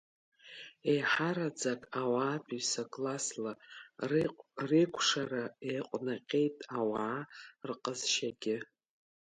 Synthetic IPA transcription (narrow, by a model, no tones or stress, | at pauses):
ejħaɾad͡zakʼawaːpʰisakʼlasla | rikʷʰʂaɾaejqʷʼnaqʲʼe̞jtʼawaʕarqʼəzʃaɡʲɪ